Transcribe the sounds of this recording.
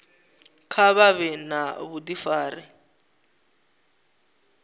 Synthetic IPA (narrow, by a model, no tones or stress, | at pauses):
kʰaβaβɛnaβudifaːrɛ